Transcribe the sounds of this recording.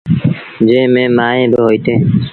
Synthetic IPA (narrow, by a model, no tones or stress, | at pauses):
d͡ʒẽːmẽːmaːɦẽːbəɦoːit̪ẽː